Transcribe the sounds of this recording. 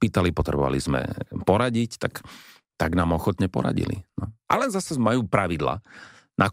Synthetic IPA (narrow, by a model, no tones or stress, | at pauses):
iːt̪alipɔt̪ɾɛ̰bɔʋa̰lizmɛ̰pɔɾaɟict̪ak | t̪aɡnaːmɔxɔt̪ɲɛpɔ̰ɾa̰ɟḭlḭnɔʔa̰lɛnzasɛmajuːpɾaʋid̪la̰ː | nʔa